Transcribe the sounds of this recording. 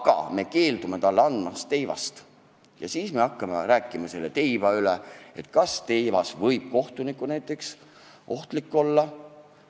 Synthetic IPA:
ɡ̥ɑ̰me̞ke̞ːld̪ume̞t̪ɑlːɑnd̪mɑst̪ːe̞jvɑ̰st̪ | jɑ̰siːsme̞ɑkːɑmeɾæːkːˑimɑse̞lːet̪e̞jbɑylee̞̰t̪ˑkɑst̪e̞jvɑsvɤjb̥̚ko̞ht̪unikːˑunæjt̪ːˑe̞ks | ʔo̞ht̪likːo̞lːɑ

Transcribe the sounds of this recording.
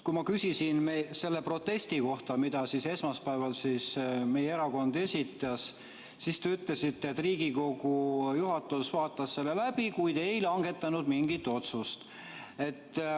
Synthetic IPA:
kumɑkysʲisinmese̞lːepro̞t̪ːe̞sʲt̪iko̞ht̪ɑmid̪̥ɑsise̞smɑspæevɑlsisme̞jeeɾɑko̞nd̪̥e̞sʲit̪ːˑɑs | sist̪eyt̪le̞sit̪ːeet̪ːˑriːɡ̥iko̞ɡ̥ujuɦɑt̪ːˑusvɑːt̪ːˑɑsse̞lːe̞læb̥ikujd̪̥e̞jlɑŋɡ̥e̞t̪ːˑɑnud̪miŋɡ̥it̪ːo̞t̪sust̪ | e̞t̪ː

